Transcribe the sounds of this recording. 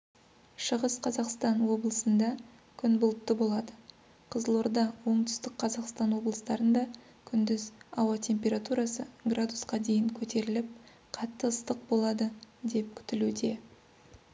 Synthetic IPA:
ʃəʁəsqʰɑzɑqst̪ɑnwo̞blˠəsənd̪ɑ | kʲʰʏnbʊlˠt̪ːəbo̞lˠɑd̪ə | qʰəzəlˠoɾd̪ɑwo̞ɴt̪ʰʏ̥st̪ɪkqʰɑzɑqst̪ɑnwo̞blˠəst̪ɑɾənd̪ɑ | kʲʰʏnd̪ɪzɑwɑt̪ʰe̞mpʲe̞ɾat̪uɾɑsəɡrad̪usqɑd̪e̞jɪŋkʲʰɵt̪e̞ɾɪlɪp̚ | qʰɑt̪ːəːst̪əq̚bo̞lˠɑd̪əd̪e̞p̚kʲʰʏ̥t̪ɪlud̪e̞

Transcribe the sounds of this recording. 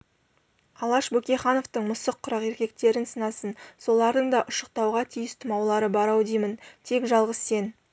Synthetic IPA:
ɑlˠɑʃbɵkʲeχɑnoft̪əɴmʊsəqʰːʊɾɑqe̞ɾkʲe̞k̚t̪e̞ɾɪnsənɑsənso̞lˠɑɾd̪əɴd̪ɑʔʊʃəq̚t̪ɑwʁɑt̪ʰijɪst̪ʰʊmɑwlˠɑɾəbɑɾɑwd̪ijmənt̪ʰe̞kʒɑlˠʁəsːe̞n

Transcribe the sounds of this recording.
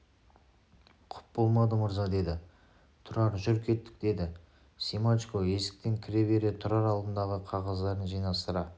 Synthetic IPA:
qʰʊ̥p̚bo̞lˠmɑd̪əmʊɾzɑd̪e̞d̪ɪ | t̪ʰʊɾɑɾʒʏɾkʲʰe̞t̪ːɪ̥k̚d̪e̞d̪ɪ | simat͡ʃkoe̞sɪ̥k̚t̪e̞ŋkʲʰɪɾe̞be̞ɾet̪ʰʊɾɑɾɑlˠd̪ənd̪ɑʁəqʰɑʁɑzd̪ɑɾənʒijnɑst̪əɾɑ

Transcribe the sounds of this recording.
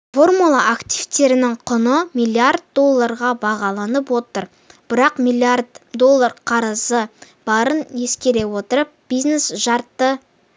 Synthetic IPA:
fo̞rmulˠaʔakt̪ʲijvt̪e̞ɾɪnɪŋqʰʊnəmijlˠiard̪̚d̪o̞lˠːaɾʁɑbɑʁɑlˠɑnəpwo̞t̪əɾ | b̥ɪɾɑqmilʲˠiard̪d̪o̞lˠːaɾqʰɑɾəzə | b̥ɑɾənje̞skʲe̞ɾe̞wo̞t̪əɾəp̚b̥izne̞sʒɑɾt̪ːə

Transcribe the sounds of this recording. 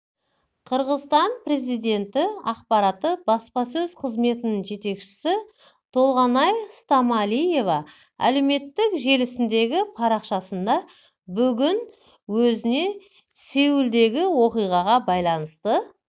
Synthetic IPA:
qʰəɾʁəzst̪ɑnpre̞zijd̪e̞nt̪ɪɑqpɑɾɑt̪əbɑspɑsɵzqʰəzme̞t̪ɪnɪŋʒe̞t̪e̞kʃɪ̥sɪ | t̪ʰo̞lˠʁɑnɑjst̪ɑmɑlije̞vɑ | æ̰le̞me̞t̪ːɪkʒe̞lɪsɪnd̪e̞ɡʲɪpʰɑɾɑqʃɑsənd̪ɑ | bʏɡʲɪn | wɵzɪne̞ | se̞wɪld̪e̞ɡʲɪwo̞qijʁɑʁɑbɑjlˠɑnəst̪ə

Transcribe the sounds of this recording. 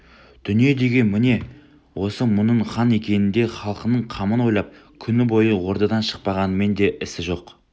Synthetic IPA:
d̪̥ʏnije̞d̪e̞ɡʲe̞nmɪne̞ | wo̞səmʊnəɴχɑne̞kʲe̞nɪnd̪e̞χɑlˠqənəɴqʰɑmənwo̞jlˠɑp̚kʲʰʏnɪbo̞jəwo̞ɾd̪ɑd̪ɑnʃə̥q̚pɑʁɑnəme̞nd̪e̞ʔɪsɪʒo̞q

